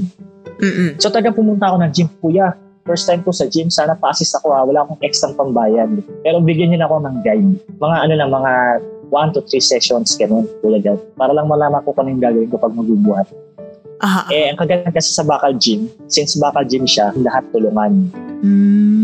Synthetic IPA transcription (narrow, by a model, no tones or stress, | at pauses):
sot̪ɐlɐɡaŋpʊmʊnt̪ɐʔɐko̞nɐŋd͡ʒɪmkuja | fɛɹst̪ajmkosɐd͡ʒɪmsaːnɐpɐʔɐsɪst̪ɐko̞hawɐlaːʔɐko̞ŋʔɛksɐŋpɐŋbaːjɐd̪pɛːɾobɪɡjɐɲʊnɐko̞nɐŋɡajmmɐŋaʔɐnonɐŋmɐŋawant̪ut̪ɾisɛkʃonsɡɐnonk̪ʊlɐɡad̪paːɾɐlɐŋmɐlaːmɐŋkokɐnɐjʊŋɡaːɡɐwɪnkɐpɐɡ̚mɐɡuːbuhat̪̚ | ʔʔɛʔɐŋkɐɡajankɐsɛsɐbaːkɐld͡ʒɪm | sɪnsbaːkɐld͡ʒɪmʃalɐɦat̪ːʊlʊŋanː